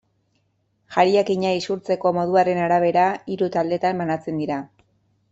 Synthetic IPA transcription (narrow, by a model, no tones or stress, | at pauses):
ʝaɾiakiɲaisuɾt͡se̞ko̞mo̞ðuaɾe̞naɾaβ̞e̞ɾaiɾut̪ald̪e̞t̪ambanat͡se̞nd̪iɾa